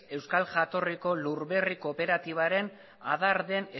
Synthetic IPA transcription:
e̞wskalʝat̪o̞riko̞luɾβe̞riko̞pe̞ɾat̪iβ̞aɾe̞n | a̰ðaɾðe̞ne

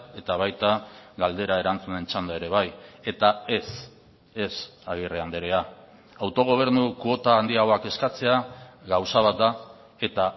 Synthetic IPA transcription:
e̞t̪aβ̞ajt̪aɣald̪e̞ɾae̞ɾant͡sune̞nt͡ʃand̪ae̞ɾe̞β̞aje̞t̪ae̞s | e̞saɣ̞ireand̪eɾea | awt̪o̞ɣ̞o̞β̞e̞ɾnukuo̞t̪aːnd̪iaɣo̞ake̞skat͡se̞aɣawsaβ̞at̪̚d̪a | e̞t̪a

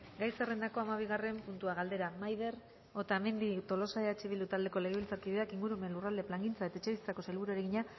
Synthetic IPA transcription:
ɡajsere̞nd̪ako̞amaβ̞iɣ̞are̞mpunt̪uaɣald̪e̞ɾamajð̞e̞ɾ | o̞t̪amend̪it̪o̞lo̞saeat͡ʃiβild̪ut̪ald̪e̞ko̞le̞ɣ̞eβilt͡saɾkiðeakiŋɡuɾumenlurald̪e̞plaŋɡint͡saet̪aet͡ʃeβist͡sako̞selβuɾueɾeɣiɲa

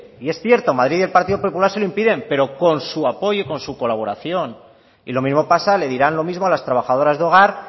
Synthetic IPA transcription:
ie̞sθje̞ɾt̪o̞maðɾiðe̞lpaɾt̪iðopo̞pulaɾseloimpiðe̞mpe̞ɾo̞ko̞nsuapo̞ʝoiko̞nsuko̞laβ̞o̞ɾaθjo̞n | ḭlo̞mizmo̞pasale̞ð̞iɾanlo̞mizmoalast̪ɾaβ̞axaðo̞ɾazðo̞ɣ̞aɾ

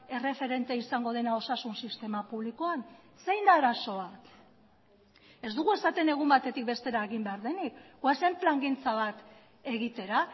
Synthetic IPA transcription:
e̞re̞fe̞ɾe̞nt̪eaisaŋɡo̞ð̞e̞nao̞sasunsist̪e̞mapuβlikoan | se̞jnd̪aːɾaso̞βat̪ | e̞zd̪uɣue̞sat̪e̞ne̞ɣ̞umbat̪e̞t̪ik̚best̪e̞ɾaeɣimbe̞aɾðe̞nikɡwase̞mplaŋɡint͡saβ̞at̪ | e̞ɣit̪e̞ɾa

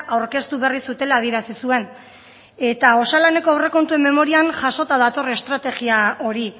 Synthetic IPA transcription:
ʔawɾke̞st̪uβe̞risut̪e̞laːð̞ie̞ɾasisue̞n | e̞t̪ao̞salane̞ko̞awre̞ko̞nt̪ue̞mːe̞mo̞ɾianʝaʃo̞t̪að̞at̪o̞re̞st̪ɾat̪e̞ɣiao̞ɾi

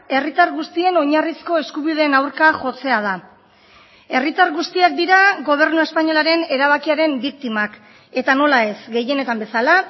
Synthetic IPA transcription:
e̞rit̪aɾɣust̪ie̞no̞ɲarisko̞e̞skuβið̞e̞ːnawɾkaʝo̞t͡se̞að̞a | e̞rit̪aɾɣust̪iak̚d̪iɾaɣo̞β̞e̞ɾnue̞spaɲo̞laɾe̞ne̞ɾaβ̞akiaɾe̞mbikt̪imak | e̞t̪ano̞lae̞sɡe̞je̞ne̞t̪ambe̞sala

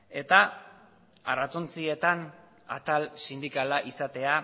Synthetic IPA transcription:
e̞t̪a | arat͡sont͡sie̞t̪an | a̰t̪alsind̪ikalaʔisat̪e̞a

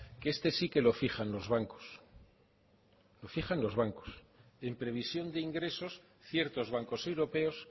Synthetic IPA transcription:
kest̪e̞sike̞lo̞fixanlo̞zβaŋko̥s | lo̞fiχanlo̞zβaŋko̞̥s | e̞mpɾe̞β̞isjo̞nd̪eiŋɡɾe̞so̞s | θje̞ɾt̪o̞zβ̞aŋko̞se̞wɾo̞pe̞o̞s

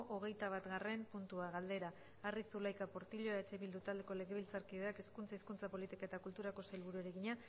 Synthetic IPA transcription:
ʔoɣ̞e̞jt̪aβ̞at̪ɡare̞mpunt̪uaɣald̪e̞ɾaː | risulajkapo̞ɾt̪iʎo̞eaet͡ʃe̞βild̪ut̪ald̪e̞ko̞le̞ɣeβilt͡saɾkiðeakeskunt͡saiskunt͡sapo̞lit̪ikaet̪akult̪uɾako̞sajlβuɾueɾeɣiɲa

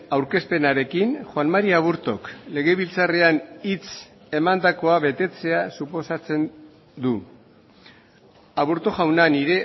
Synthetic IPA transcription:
awɾke̞spe̞naɾe̞kinxwanmaɾiaβuɾt̪o̞kle̞ɣe̞β̞ilt͡sare̞anit͡s | e̞mand̪ako̞aβe̞t̪e̞t͡se̞asupo̞sat͡se̞n | d̪u | aβuɾt̪o̞ʝawnaniɾe̞

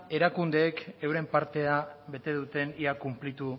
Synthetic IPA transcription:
e̞ɾakund̪e̞ːkewɾe̞mpaɾt̪e̞aβe̞t̪e̞ðut̪e̞niakumplit̪u

